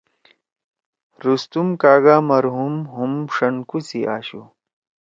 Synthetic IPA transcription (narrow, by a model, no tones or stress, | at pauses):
ɾust̪umkaːɡaːmɐɾɦumɦumʂɐnkusiʔa̰ːɕṵ